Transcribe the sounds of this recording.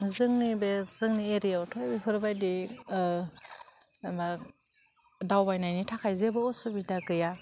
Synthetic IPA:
zɯŋnibez̥ɯŋnieɾijautʰɔjbepʰɯɾbajdi | ma | dawbajnajnitʰakʰajzebɯɔsubidaɡɯja

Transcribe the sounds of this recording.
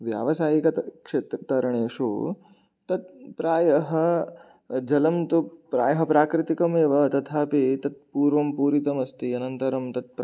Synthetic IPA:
ʋja̰ːʋɐsaːjikɐt̪kʂeːt̪ɾɐt̪ɐɾɐɳeːʂo̰ː | t̪ɐt̪̚pɾaːjɐɦɐ | d͡ʒɐlɐmt̪upɾa̰ːjɐɦɐpɾaːkɾɪt̪ikɐmeːʋɐt̪ɐt̪ʰaːpit̪ɐt̪̚puːɾʋɐmpuːɾit̪ɐmɐst̪iɐnɐnt̪ɐɾɐmt̪ɐt̪̚p

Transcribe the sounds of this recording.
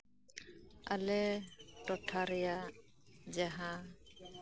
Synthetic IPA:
a̰lɛʈɔʈʰaɾɛja | d͡ʒaɦã

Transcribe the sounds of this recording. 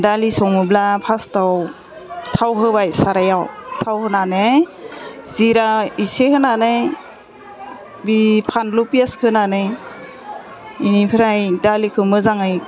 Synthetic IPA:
dalisɔŋmɯblapʰastaw | tʰawɦɯbajsaɾajawtʰawhɯnane | ziɾaisehʰɯnanɯ | bipʰanlupijaskʰɯnanɯ | inipʰiɾajdalikʰɯmɯzaŋɯj

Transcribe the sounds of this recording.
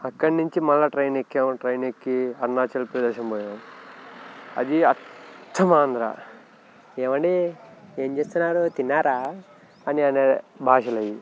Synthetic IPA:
ɐkːɐɽnuɲt͡ʃimɐlːɐʈɾɐjnekːemʈɾɐjnekːiɐɾnaːt͡ʃɐlpɾɐd̪ɛːʃɐmboːjam | ɐ̰d̪iɐt̪ʰːɐmaːnd̪ɾa̰ | eːmɐɳɖieːmt͡ʃe̞ːst̪unːaːɾot̪inːaːɾaː | ɐniɐnebʱaːʃɐlɐji

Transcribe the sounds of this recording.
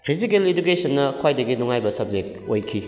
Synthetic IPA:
pʰizikeled͡ʒukesɐnːɐkʰwajdɐɡinuŋajbɐsɐb̚d͡ʒek̚tojkʰi

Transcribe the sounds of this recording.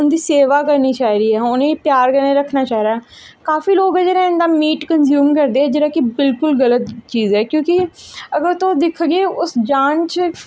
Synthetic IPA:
ʊnd̪iːseːʋaːkəɾniːt͡ʃaːɦiɾiːɦɛːʊnẽːpjaːɾkəɾneːɾəkʰnaːt͡ʃaːɦɾaːɛ | kaːfiːloːɡɛːd͡ʒeːɾãːɪ̃nd̪aːmiːʈkənzjuːmkəɾd̪eːɦɛːd͡ʒɪɾaːkɪbɪlkʊlɣələt̪t͡ʃiːzɛːkjõːkɪəɡəɾt̪od̪ɪkʰɡeːʊsd͡ʒaːnt͡ʃ

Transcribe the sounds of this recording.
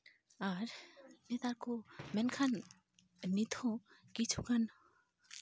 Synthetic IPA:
aɾnet̪aɾkomɛnkʰanː | it̪ʰõkit͡ʃʰukan

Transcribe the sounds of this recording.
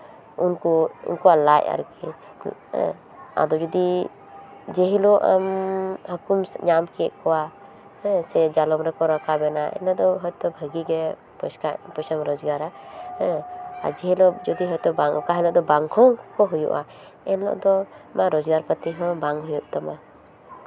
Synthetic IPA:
unkɔṵnkɔalaja̰ɾkɛ | a̰d̪ɔd͡ʒɔd̪i | d͡ʒɛɦilɔʔa̰mhɔkumɲamkɛɛʔkɔwa | ɛsɛd͡ʒalɔmɾɛkɔɾɔkʰabɛnaɛ̰nlɔʔd̪ɔɦɔjt̪ɔbʱəɡiɡɛ | pɔsapɔsamɾɔd͡ʒɡaɾaɛa̰d͡ʒɛɦilɔd͡ʒɔd̪iɦɔjt̪ɔbaŋkaɦɛlɔʔd̪ɔbaŋhɔ̃kɔɦujṵʔa̰ | ɛnlɔ̰ʔd̪ɔmaɾɔd͡ʒɡaɾpət̪iɦɔ̃baŋɦujuʔt̪ɔma

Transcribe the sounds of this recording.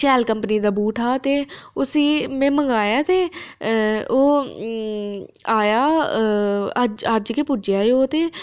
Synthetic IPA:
t͡ʃɛːlkəmpniːd̪aːbuːʈʰaːt̪eːʊsiːmɛ̃ːməŋɡaːjaːt̪eː | oː | aːjaː | əd͡ʒəd͡ʒkeːpʊd͡ʒɪjaːeːoːt̪eː

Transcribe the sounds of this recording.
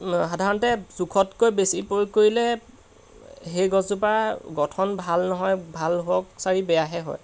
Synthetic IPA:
ɦadʱaɹɔntɛzukʰɔtkojbesipoɹikoɹilɛ | ɦejɡɔzupaɡɔtʰɔnbʱalnɔɦɔjbʱalɦoɔksaɹibɛjaɦɛɦɔ̰j

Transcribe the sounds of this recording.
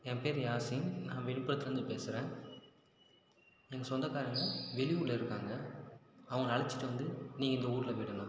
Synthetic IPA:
ɛmpeːɾjaːsɪnãːʋɛɳɪpːɯɾɐt̪ːlɐɾɯnd̪ɯpeːsɯɾẽː | ɛŋɡɐsɔnd̪ɐkaːɾjɐŋɡɐʋɛɭɪʋuɭːɐɪɾɯkːaːŋɡɐ | ɐʋɐŋɡɐɐɭɐt͡ʃːɪ̥ʈːɯʋɐnd̪ɯnĩːŋɡɐɪnd̪ɐuːɾɪlɐʋiɽɯnãː

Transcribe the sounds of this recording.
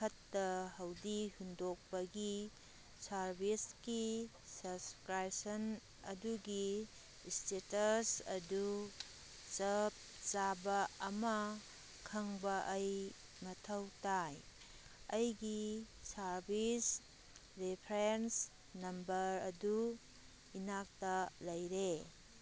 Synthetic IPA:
kɐtːɐhɐwdihundok̚pɐɡi | sɐɾbiski | sɐskɾajsɐn | ɐ̰duɡi | stetɐsɐ̰du | t͡ʃɐp̚t͡ʃabɐɐmɐ | kʰɐŋbɐʔɐj | mɐtʰɐwtaj | ɐjɡi | sɐɾbis | ɾepʰɾens | nɐmbɐɾɐdu | inak̚tɐlɐjɾe

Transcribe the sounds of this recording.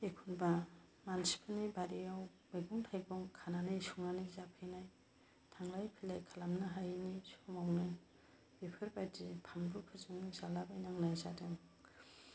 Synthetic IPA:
ekʰunba | mansi̥pʰɯnibaɾiaw | baɡuŋtʰajbɔŋkʰananɯjsuŋanɯjzapʰɯjnaj | tʰaŋlajpʰilajkʰalamnɯɦajnisʰɔmawnɯ | b̥epʰɯɾbajdipʰambukʰɯzɯŋnizalabajnaŋnajzadɯŋ

